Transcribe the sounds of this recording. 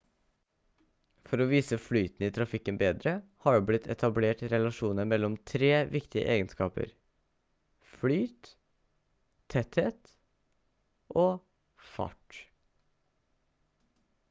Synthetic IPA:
fɔɾɔʋiːsəflyːt̪n̩iːt̪ʰɾɑfɪkːənbeːd̪ɾəhɑɖublɪt̪ʰɛt̪ʰɑbleːʈɾɛlɑʂuːnəmɛlːɔmt̪ʰɾeːʋɪkt̪ɪə̰ʔeːɡənskɑːpə̰ɾ | flyːt̪ | ɛt̪heːt̪ | ʔoː | fɑ̰ʈ

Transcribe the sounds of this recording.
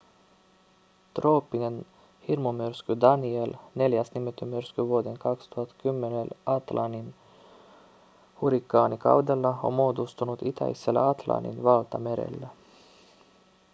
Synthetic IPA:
t̪roːpːinen | hirmumyrskyd̪ɑnielne̞ljæsnimet̪ːymyɾskyʋuod̪eŋkɑkst̪uhɑt̪kymːenelɑt̪lʔɑnin | huɾikːɑːnikɑ̰wd̪elːɑo̰mmoːd̪ust̪unut̪it̪æ̰iselːæ̰ɑt̪lɑ̰nːḭnʋɑlt̪ɑme̞ɾḛlːæ

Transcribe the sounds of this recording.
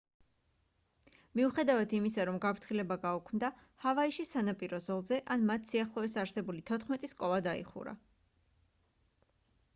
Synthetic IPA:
miuχɛd̪avad̪imisaɾɔmɡapʰɾt̪ʰχilɛbaɡaukʰmd̪a | havaiʃisanapʼiɾɔzɔlˠzɛʔanmat̪ʰsiaχlˠɔɛsaɾsɛbulit̪ʰɔt̪ʰχmɛt̪ʼiskʼɔlˠad̪aḭχṵɾa̰

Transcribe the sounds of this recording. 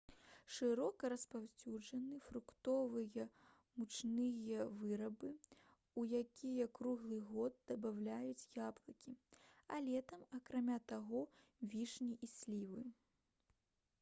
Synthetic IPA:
ʂɨɾɔkɐɾɐspawʲt͡sʲud͡ʐɐnɨfɾukt̪ɔvɨjɐ | mut͡ʂnɨjɐvɨɾɐbɨ | ujakʲʰijɐkɾuɣlˠɨɣɔd̪̚d̪ɐbawlʲajut͡sʲjablˠɐkʲiɐlʲɛt̪ɐmɐkɾamʲat̪aɣɔvʲiʂnʲiʔisʲlʲivɨ

